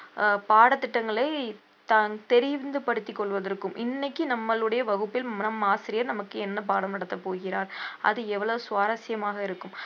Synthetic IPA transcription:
paːɽɐt̪ːɪʈːɐŋɡɐɭɐɪ | t̪aːnt̪ɛɾɪʋnd̪ɯpɐɽɯt̪ːɪkːɔɭʋɐðɐɾɯkːɯmʔɪ̰nːɐkːɯnɐmːɐɭɯɽɐjɐʋɐɣɯpːɪlnɐmːaːsɪɾɪjɐɾnɐmɐkːɯɛnːɐp̬aːɽɐmnɐɽɐt̪ːɐpoːɣɪɾaːɾʔɐ̰ðɯɛʋːɐɭɐʋɯsʊʋaːɾɐsɪjɐmaːɣɐɪɾɯkːɯm

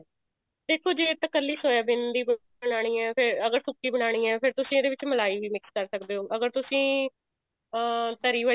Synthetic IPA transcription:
d̪eːkʰoːd͡ʒeːt̪əkəlːiːsoːjaːbɪnd̪iːb | əɽaːɽ̃iːɛːpʰɪɾəɡəɾsʊkːiːbəɽ̃aːɽ̃iːɛːpʰɪɾt̪ʊsĩːd̪eːʋɪt͡ʃməlaːiːʋiːmɪkskəɾsəkd̪eːoːʔəɡəɾt̪ʊsĩː | ət̪əɾiːə

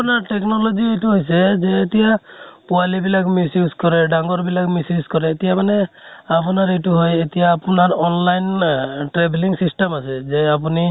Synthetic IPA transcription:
apnaɾʈeknɔlɔd͡ʒiejʈuɦojsezeːt̪ijapualibilakmisjuskɔɾeɖaŋɡɔɾbilakmisjuskɔɾeːt̪ijamaneapɔnaɾejʈuɦojet̪ijaːpnaɾɔnlajnʈɾebliŋsisʈemasezeapuni

